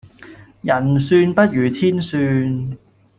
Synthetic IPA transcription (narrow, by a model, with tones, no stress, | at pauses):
jɐ˨˩nsyː˧npɐ˥t̚jyː˨˩t̪ʰiː˥nsyː˧n